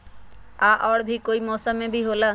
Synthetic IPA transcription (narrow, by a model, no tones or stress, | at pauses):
aʔɔːɽbʱikoimɔːsəmːẽbʱiɦola